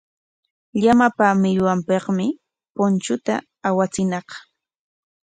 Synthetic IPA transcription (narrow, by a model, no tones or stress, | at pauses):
ʎamapamɪjwampɑqmɪ | pʊnt͡ʃʊt̪a̰ː | wat͡sɪnɑqɑ̥